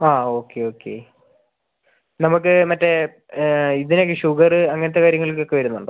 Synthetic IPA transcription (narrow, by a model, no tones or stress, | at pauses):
aːo̞ːkːe̞o̞ːkːe̞̰ | nɐmuk̬ːɨmɐtːe | iðinekːɨɕuɣɐrɨɐŋːɐnɐt̪̬ːe̞kaːɾjɐŋːɐɭilkːo̞kːe̞ʋɐɾunːuɳɖɨ̰